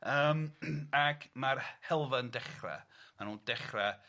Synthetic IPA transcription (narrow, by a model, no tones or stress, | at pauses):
əːmakʰmarhɛlˠvəndɛχra̰manuːnd̥ɛχra